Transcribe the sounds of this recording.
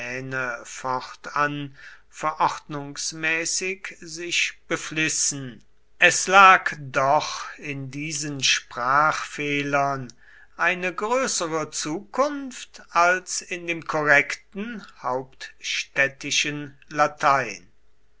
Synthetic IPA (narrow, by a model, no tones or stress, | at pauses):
ɛːnəfɔʁtan | fɛɐʔɔχtnʊŋsmɛːsɪkzɪʃb̥əflɪsn̩ | ʔɛslaːkdɔχɪndiːzənʃpʁ̥aːχfeːlɐn | ʔaɪnəɡʁøːsəʁət͡suːkʊnftalsɪndeːmkʰɔʁɛktn̩haʊptʃtɛtɪʃən | latʰaɪn